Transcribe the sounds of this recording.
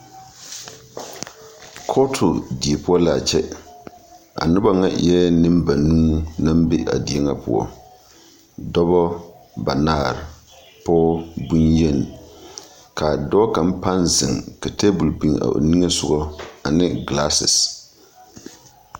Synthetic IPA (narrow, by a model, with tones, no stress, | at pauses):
kʰɔ˦tʰʊ˨di˨e˨pʊ˦ɔ˦la˨t͡ʃɛ˦ | a̰˨nʊ˦ba˦ŋa̰˦jɛː˦nɨ˦mba˨nuː˦na˦m˦bɪ˦ʔa̰˨di˨e˦ŋa˦pʊ̰˦ɔ̰˦ | dɔ˦bɔ˦ | ba˨naː˦˨ɾɪ˨ | pɔː˦bu˦njɛ˦˨n˨ | ka˨dɔ˦ka˨m̩˦pa˦nzɪ˨ŋka˨te˦bʊ˨lbi˨ŋa̰˨o̰˨ni˦ɛ˦sʊ˦ɡɔ˦a˨nɪ˦ɡla˦sɪ̰˨s